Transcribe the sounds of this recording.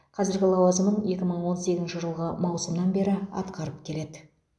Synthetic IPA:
qʰɑzɪɾɡʲɪlˠɑwɑzəmənje̞kʲɪməɴwo̞nse̞ɡʲɪznʃɪʒəlˠʁɑmɑwsəmnɑnbe̞ɾɪɑ̰t̪qɑɾəp̚kʲʰe̞le̞d̪ɪ

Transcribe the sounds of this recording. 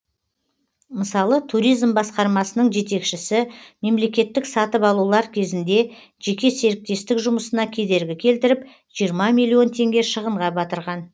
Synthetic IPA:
məsɑlˠət̪ʰuɾijzmbɑsqɑɾmɑsənəɴʒe̞t̪e̞kʃɪsɪme̞mle̞kʲe̞t̪ːɪksɑt̪əpɑlˠulˠɑɾkʲʰe̞zɪnd̪e̞ | ʒ̥e̞kʲe̞se̞ɾɪk̚t̪e̞st̪ɪkʒʊməsənɑkʲʰe̞d̪e̞ɾɡʲɪkʲʰe̞lt̪ɪɾɪp | ʒ̥ijəɾmɑmʲijlʲˠio̞nt̪ʰe̞ŋɡʲeʃəʁəɴʁɑbɑt̪əɾʁɑn

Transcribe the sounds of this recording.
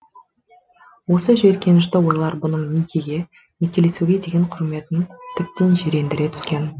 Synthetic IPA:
wo̞səʒe̞ɾkʲe̞nɪʃt̪ɪwo̞jlˠɑɾbʊnəɴnijkʲeɡʲe̞ | nekʲe̞le̞suɡʲe̞d̪eɡʲeɴqʰʊɾme̞t̪nɪŋt̪ʰɪp̚t̪ɪʒeɾe̞nd̪ɪɾet̪ʰʏ̥skʲe̞n

